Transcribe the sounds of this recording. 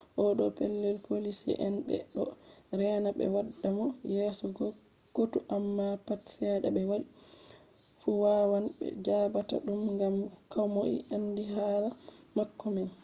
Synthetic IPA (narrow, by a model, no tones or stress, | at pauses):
ʔɔɗɔpɛlːɛlpʰolisḭʔɛnbɛ̰ɗɔɾɛnabɛ̰wadːamɔjɛsɔɡ | ɡ̥otuʔamːapatsɛɗabɛwaɗi | fuwawanbɛ̰d͡ʒaːbata̰ɗumŋɡamkawmoʔḭʔandiɦaːla | makːɔmɛn